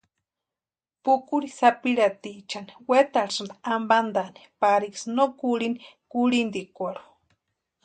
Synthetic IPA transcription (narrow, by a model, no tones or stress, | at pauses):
pukuɾisapiɺat̪it͡ʃaniwet̪aɾsɨnd̪aamband̪ani̥paɾiksnokuɺini | kuɾind̪ikʷaɾu̥